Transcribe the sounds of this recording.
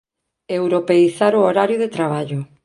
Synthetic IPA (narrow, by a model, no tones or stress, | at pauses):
ewɾopeiθaɾʊoɾaɾjʊðet̪ɾaβ̞aʎʊ